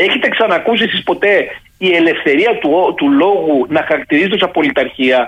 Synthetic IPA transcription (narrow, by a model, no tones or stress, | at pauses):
e̞çet̪e̞ksɐnɐkus̬isispo̞t̪e̞ | ie̞le̞fθe̞ɾiɐt̪ut̪ulo̞ɣunɐxɐɾɐk̚t̪iɾizet̪osɐpo̞lit̪ɐɾçiɐ